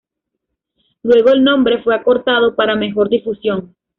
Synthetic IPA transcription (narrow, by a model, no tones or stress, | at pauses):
lwe̞ɣo̞e̞lnõ̞mbɾe̞fwe̞ako̞ɾt̪að̞o̞paɾame̞xo̞ɾd̪ifusjo̞ŋ